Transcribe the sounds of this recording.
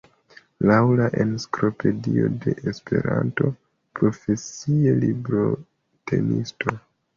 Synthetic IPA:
lawlaʔenskɾo̞pe̞dio̞de̞ʔespʰe̞ɾanto̞ | pɾo̞fe̞sie̞libɾo̞ | tʰe̞̰nisto̞

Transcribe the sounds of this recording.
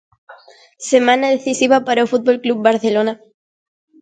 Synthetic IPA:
semãnaðeθisiβapaɾaofut̪̚bolklub̚baɾθelona

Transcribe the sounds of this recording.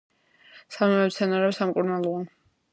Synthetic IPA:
samimɛmt̪sʰɛnaɾɛbsamkʼuɾnalˠɔa

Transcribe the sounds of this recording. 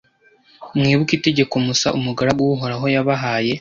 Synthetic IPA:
mŋiːβukite̞ɟe̞komusaʔumuɡaɾaɡuɦoɾaɦo̞jaβaɦaːje̞

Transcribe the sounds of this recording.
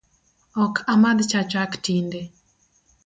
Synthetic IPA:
ɔkʰamad̪t͡ʃat͡ʃaktinde

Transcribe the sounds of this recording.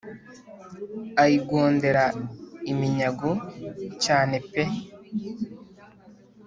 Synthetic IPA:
ajiɡoːnde̞ɾaimiɲaɡocaːne̞pe

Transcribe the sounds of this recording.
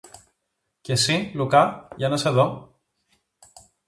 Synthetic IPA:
ce̞silukɐʝɐnɐseðo

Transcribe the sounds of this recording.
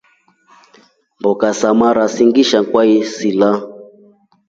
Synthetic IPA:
mbɔkasamaɾasiŋɡiʃakwaisila

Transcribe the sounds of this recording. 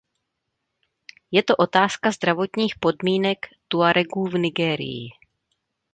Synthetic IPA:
jɛt̪o̞ʔo̞t̪aːskazd̪ɾavo̞t̪ɲiːxpo̞dmiːnɛkt̪uaɾɛɡuːvnɪɡɛːɾɪ̰jɪ̰

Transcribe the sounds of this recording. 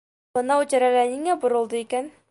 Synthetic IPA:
bɤ̆nɑut͡ɕɘ̆ɾælæniŋæbŏɾɤ̆lˠd̪ɤikæn

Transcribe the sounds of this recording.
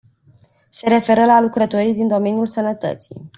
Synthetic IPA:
se̞ɾe̞fe̞ɾəlalukɾət̪o̞ɾijd̪ind̪o̞me̞njulsənət̪ə̰t̪si̥̰j

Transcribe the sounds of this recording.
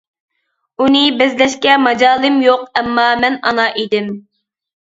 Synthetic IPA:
unɪbɪzlɛʃkʲɛmɑd͡ʒɑːlˠɪmjoq̚ɛmːɑmɛnɑnɑʔid̪ɪm

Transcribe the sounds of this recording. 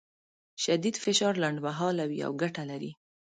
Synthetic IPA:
ʃad̪id̪fɪʃɑɾlaɳɖmaɦɑlawia̰wɡaʈalaɾḭ

